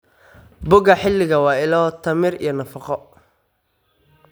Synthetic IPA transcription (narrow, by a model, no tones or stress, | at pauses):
bʊɣɐħɪlːɪɣɐwɑːɪlɔːt̪ʰɐmɪrḭjɔnɐfɑqɔ